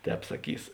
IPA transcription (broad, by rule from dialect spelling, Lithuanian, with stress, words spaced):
ˈtʲɛːp sɐˈkʲiːs